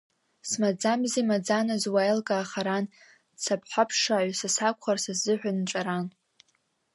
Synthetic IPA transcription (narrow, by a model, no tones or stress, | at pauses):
smad͡zamzimad͡zanɨzwajlkʼaːχaɾan | t͡sʰapʰħʷapʰʂaʕʷasasakʷʰχarsazɨħʷᶣanʈ͡ʂʼaɾan